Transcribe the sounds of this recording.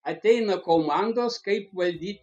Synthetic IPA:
ɐt̪ʲɛjnɐkomand̪oskɐɪpʋɐlʲd̪ʲiː

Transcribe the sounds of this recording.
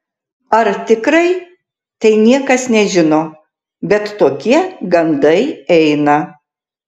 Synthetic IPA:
ɐɾt̪ʲɪkɾɐɪ | t̪ɐɪnʲiɛkɐsnʲɛʒʲɪnoː | bʲɛt̪t̪oːkʲiɛɡɐnd̪ɐɪɛɪnɐ

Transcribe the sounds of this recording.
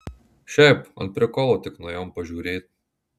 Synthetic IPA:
ʃɛpɔ̰npɾɛkɔlɔt̪ɛknɔjɔmpɐʒuɾet̪̚

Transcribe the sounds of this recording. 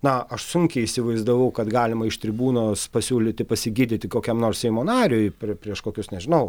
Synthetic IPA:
nɐɐʃsʊŋʲkʲɛɪisʲɪʋɐɪzd̪ɐʋɐʊkɐt̪ɡɑːlʲɪmɐɪʃt̪ʲɾʲɪbuːnoːspɐsʲuːlʲɪt̪ʲɪpɐsʲɪɡʲiːd̪ʲɪt̪ʲɪkoːkʲɛmnoːrssʲɛɪmoːnɑːɾʲoːjpʲpʲɾʲiɛʃkoːkʲʊsnʲɛʒʲɪnɐʊ

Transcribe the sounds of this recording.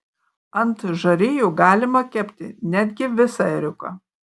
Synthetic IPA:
ɐnt̪ʒɐɾʲɪːjuːɡɑːlʲɪmɐkʲɛpʲt̪ʲɪ̰nʲæd̪ʲɡʲɪʋʲɪsɐɛɾʲʊkɑ̰ː

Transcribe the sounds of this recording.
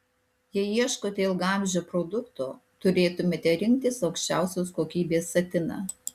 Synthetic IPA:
jɛɪiɛʃkoːt̪ʲeɪlˠɡɑˑmʲˑʒʲoːpɾod̪ʊkt̪oːt̪ʊɾʲeːt̪ʊmʲeːt̪ʲɛɾʲɪŋʲk̚t̪ʲɪsɒʊkʃʲt͡ʃʲæˑʊsʲoːskoːkʲiːbʲeːsːɐt̪ʲɪnɑ̰

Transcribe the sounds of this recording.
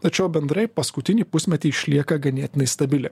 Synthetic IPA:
t̪ɐt͡ʃʲɛʊbʲɛnd̪ɾɐɪpɐskʊt̪ʲɪnʲiːpʊsʲmʲɛt̪ʲiːɪʃʲlʲiɛkɐɡɐnʲiːt̪ʲɪnɐɪst̪ɐbʲɪlʲɛ

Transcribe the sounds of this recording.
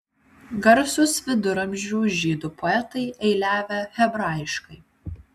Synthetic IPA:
ɡɐɾsʲʊsʋʲɪd̪ʊɾɐmʲʒʲuːʒʲiːd̪ʊpʰɔɛt̪ɐɪʔɛɪlʲæːʋʲɛxʲɛbɾɑːˑjɪʃkɐɪ

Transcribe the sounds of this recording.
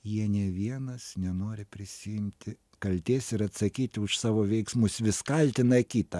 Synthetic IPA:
jiɛnʲɛʋʲiɛnɐsnʲɛnoːɾʲɪpʲɾʲɪsʲɪjɪmʲt̪ʲɪ | kɐlʲt̪ʲeːsɪɾɐt̪sɐkʲiːt̪ʲɪʊʃsɑːʋoːʋʲɛɪksmʊsʋʲɪskɐlʲt̪ʲɪnɐɪkʲiːt̪ɐ

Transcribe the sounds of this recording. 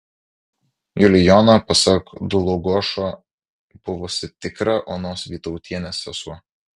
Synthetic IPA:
jʊlʲɪjɔnɐpɐsɐkd̪ʊlˠɔɡuɔʃoː | b̥ʊʋɔːsʲɪt̪ʲɪkɾɐʔoːnoːsʋʲiːt̪ɔʊt̪ʲiɛnʲesɛsu

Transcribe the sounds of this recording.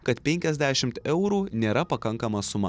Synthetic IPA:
kɐt̪pʲɛŋʲkʲɛzʲd̪ʲæːʃʲɪmt̪ɛʊɾuːnʲeːɾɐpɐkɐŋkɐmɐsʊmɐ

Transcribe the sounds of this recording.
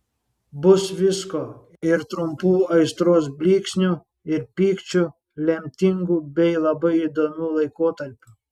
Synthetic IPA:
bʊsʋʲɪskoː | ɪɾt̪ɾʊmpuːɐɪst̪ɾoːs̬bʲlʲiːksʲnʲu | ɪɾpʲiːkt͡ʃʲʊ | lʲɛmʲt̪ʲɪŋɡuːbʲɛɪlˠɐbɐɪid̪oːmʲuːlˠɐɪkoːt̪ɐɾʲpʲʊ

